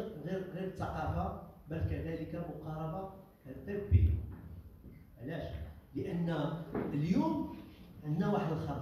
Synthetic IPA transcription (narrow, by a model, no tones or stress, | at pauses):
ɣiɾɣiɾət̪ˤːɑqɑfabælkæd̪æləkamʊqɑɾˤɑba | kæjt̪t̪ˤifbiha | ʕlæʃləʔənːəljumʔənːæwaħəd̪əlxɑˤ